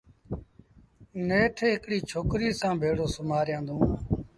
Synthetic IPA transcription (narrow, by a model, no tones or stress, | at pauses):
neːʈʰeːɦɪkɽiːt͡ʃʰoːkɾiːsãːbʱeːɽoːsəmaːɾjãːnd̪ʱõː